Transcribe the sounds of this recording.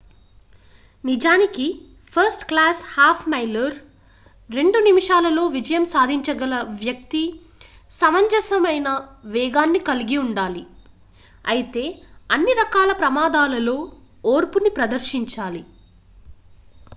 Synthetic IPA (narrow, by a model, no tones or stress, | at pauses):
nid͡ʒaːniki | pʰɐɾsʈklaːshaːpʰmɐjlɐɾ | ɾe̞ɳɖunimiʂaːlɐlo̞ːʋid͡ʒɐjɐmsaːd̪ʱiɲt͡ʃɐɡɐlɐʋjɐk̚t̪i | sɐmɐɲd͡ʒɐsɐmɐjnɐʋɛːɡaːnːikɐliɡiuɳɖaːli | ɐjit̪e̞ːɐnːiɾɐkaːlɐpɾɐmaːd̪aːlɐlo̞ː | oːɾpunipɾɐd̪ɐɾʃiɲt͡ʃaːli